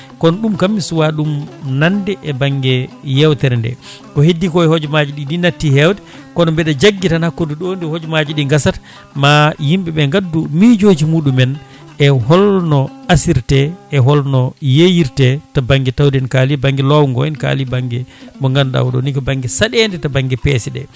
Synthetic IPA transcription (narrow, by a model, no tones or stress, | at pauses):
kɔnɔɗumkamːisuwaɗumnandɛʔɛbaŋɡɛjɛwtɛɾndɛ̰ | kɔhedːikɔɛhɔd͡ʒɔmad͡ʒiɗidinatːihɛwtɛ̥ | kɔnɔmbɛɗad͡ʒaɡːitanhakːoduɗɔndihod͡ʒɔmad͡ʒiɗiŋɡasat | majimɓɛɓɛŋɡadːumid͡ʒoːd͡ʒimuːɗumɛn | ʔɛhɔlnɔasiɾtɛɛɦɔlnɔjejiɾtɛtabaŋɡɛtawdɛnkaːlibaŋɡɛlɔwuŋɡɔ̰ɛnka̰ːlibaŋɡɛɓɔŋɡanɗa̰wɗɔ̰nikɔbaŋɡɛsaɗɛndɛtabaŋɡɛpɛːsɛɗɛ̰